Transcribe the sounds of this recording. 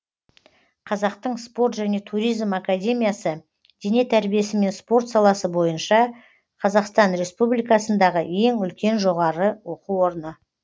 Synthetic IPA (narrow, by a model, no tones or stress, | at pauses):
qʰɑzɑqt̪əɴspo̞ɾt̪ʒæne̞t̪ʰuɾijzmakad̪ʲe̞mʲijasə | d̪̥e̞ne̞t̪ʰæɾbije̞sɪme̞nspo̞ɾt̪sɑlˠɑsəbo̞jənʃɑ | qʰɑzɑqst̪ɑnɾe̞spublijkɑsənd̪ɑʁəe̞ŋʏlkʲe̞nʒo̞ʁɑɾəwo̞quwo̞ɾənə